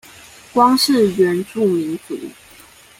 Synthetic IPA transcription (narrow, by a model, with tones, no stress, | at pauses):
kwɑ˥ŋʂɻ̩˥˩˨ɥɛ˨˦nʈ͡ʂu˥˨mi˨˥ŋkṵ˨˦